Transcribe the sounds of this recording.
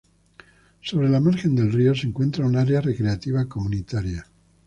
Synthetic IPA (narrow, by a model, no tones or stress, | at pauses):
so̞β̞ɾe̞lamaɾxe̞nd̪e̞lrio̞seŋkwe̞nt̪ɾaunaɾeare̞kɾe̞at̪iβ̞akomunit̪aɾja